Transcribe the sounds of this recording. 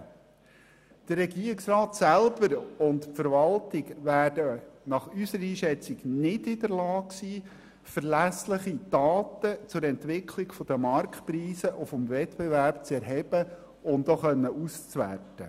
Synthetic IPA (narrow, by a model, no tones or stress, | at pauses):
d̪̥ərːɛɡiːɾɪksrɑːt̪sælb̥əɾʊntfəɾʋɑltɪɡʋæːdənɑχysəɾəiːʃɛt͡siɡnɪdɪd̪əɾlɑːksiː | fəɾlæslɪχid̥ɑːt̪ət͡sʊɾɛntʋɪkʰliɡfɔd̥̪əmɑɾkpɾiːsəʔofɔmvɛtbɛvæɾp̚t͡sɛɾɦɛb̥ə | ʊndoχœnːəʔust͡sʋæ̰rtə